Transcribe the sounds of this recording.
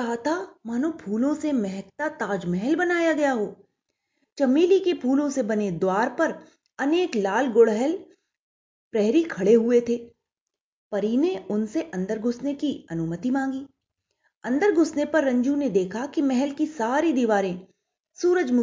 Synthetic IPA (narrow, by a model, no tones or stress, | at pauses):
aːt̪ʰamaːnopʰuːlõsemɛɦɛkt̪at̪aːd͡ʒmɛɦɛlbɐnaːjaɡɐjaɦoː | t͡ʃɐmiːlikepʰuːlõsebɐned̪waːɾpɐɾ | ɐneːklaːlɡoɽɦɛl | pɾɛɦɾikʰɐɽeɦuet̪ʰeː | pɐɾiːneʊnseʔɐ̃nd̪əɾɡʱʊsnekiɐnʊmət̪imãːŋɡiː | ɐ̃nd̪əɾɡʱʊsnepɐɾːɐ̃ɲd͡ʒũned̪eːkʰakimɛɦɛlkisaːɾid̪iʋaːɾẽ | suːɾəd͡ʒmʊ